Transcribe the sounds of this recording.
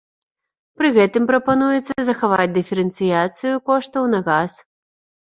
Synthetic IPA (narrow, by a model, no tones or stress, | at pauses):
pɾɨɣɛt̪ɨmpɾɐpanujɛt̪sːɐzɐxavat͡sʲd̪ɨfʲɛɾɛnt̪sɨjat̪sɨjukɔʂt̪ɐwnɐɣas